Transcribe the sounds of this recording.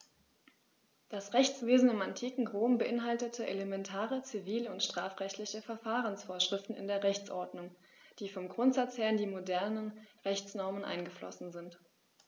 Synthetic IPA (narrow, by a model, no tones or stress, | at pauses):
d̥asʁɛçt͡sv̥eːzn̩ɪmantʰiːkŋ̩ʁoːmbəʔɪnɦaltətʰəʔelemɛntʰaːʁət͡siviːləʊntʃtʁ̥aːfʁɛçtlɪçəfɛɐfaːʁ̞ənsfoːɐʃʁ̥ɪftn̩ɪ̰ndeːɐʁɛçt͡sʔɔɐdnʊŋ | d̥iːfɔmɡʁʊntz̥at͡shɛːɐndiːmodɛɐnənʁɛçt͡snɔɐmənʔa̰ɪnɡəflɔ̰sn̩zɪnt